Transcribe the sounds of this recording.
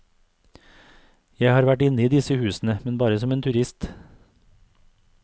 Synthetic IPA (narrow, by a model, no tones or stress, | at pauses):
jæɪhɑːɾʋæʈɪnəiːd̪ɪsəhʉːsn̩əmɛnbɑːɾəsɔmeːnt̪ʰʉɾɪst̪